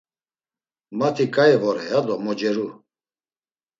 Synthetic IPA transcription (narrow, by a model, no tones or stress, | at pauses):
mat̪ʰikʼaɛvɔɾɛjad̪ɔmɔd͡ʒɛɾu